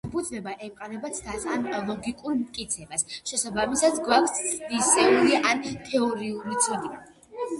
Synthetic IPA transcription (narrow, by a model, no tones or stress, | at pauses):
pʰud̪zvɛbaʔɛmqʼaɾɛbat̪sʰd̪asamlˠɔɡikʼuɾmt̪̚ʼkʼit̪sʰɛbasʃɛsabamisad̪ɡwakʷʰssʰd̪isɛuliʔant̪ʰɛɔɾiulit̪sʰud̪ia